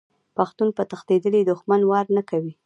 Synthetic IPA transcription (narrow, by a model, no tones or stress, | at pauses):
paxt̪unpət̪axt̪ed̪əlid̪ʊxmanwɑɾnakawi